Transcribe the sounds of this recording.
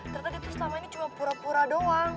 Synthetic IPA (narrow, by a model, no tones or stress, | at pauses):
t̪ərt̪apit̪usəlamainit͡ʃumapuɾapuɾadoaŋ